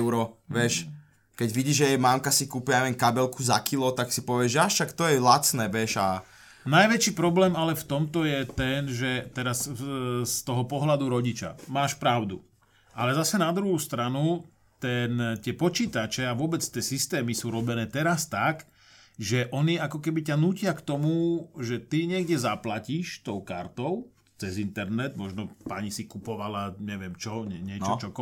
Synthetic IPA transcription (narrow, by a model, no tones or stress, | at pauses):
ʊɾɔʋɛʃ | kɛɟʋiɟiːʒɛjɛmaŋkasikuːpiaɲɛʋɛnkabɛlkuza̰kilɔt̪aksipɔʋɪɛʒɛaʃakt̪ɔjɛlat͡snɛːʋɛʃa | najʋɛt͡ʃiːpɾɔblɛːmalɛft̪ɔmt̪ɔjɛt̪ɛnʒɛt̪ɛɾasst̪ɔɦɔpɔɦlad̪uɾɔɟit͡ʃa̰maːʃpɾaʊd̪ṵ | ʔalɛzasɛnad̪ɾuɦust̪ɾanu | t̪ɛnt̪ɪɛpɔt͡ʃiːt̪at͡ʃɛaʋʊɔbɛt͡st̪ɪɛːsist̪ɛːmisuːɾɔbɛnɛːt̪ɛɾast̪ak | ʒɛʔɔniakɔkɛbicanuːcɪakt̪ɔmuʒɛt̪iɲɪɛɡɟɛzaplaciʃt̪ɔʊka̰ɾt̪ɔʊ | t͡sɛzint̪ɛɾnɛd̪mɔʒnɔpaɲisikupɔʋalaɲɛʋɪɛmt͡ʃɔɲɛɲɪɛt͡ʃɔt͡ʃɔk